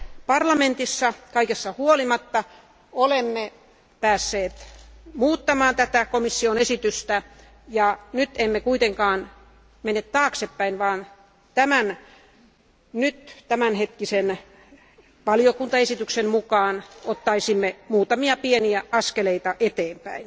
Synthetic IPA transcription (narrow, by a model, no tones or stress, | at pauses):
pɑrlɑment̪isːɑkɑikesːɑhuolimɑt̪ːɑ | olemːe | pæːsːeːt̪muːt̪ːɑmɑːnt̪æt̪ækomisːionesit̪yst̪æ | jɑnyt̪emːekuit̪eŋkɑːn | menːet̪t̪ɑːksepːæinʋɑːn | t̪æmæn | nyt̪t̪æmænhet̪kisen | ʋɑljokunt̪ɑesit̪yksemmukɑːnot̪ːɑisimːemuːt̪ɑmiɑpieniæɑskeleit̪ɑʔet̪eːmpæ̰in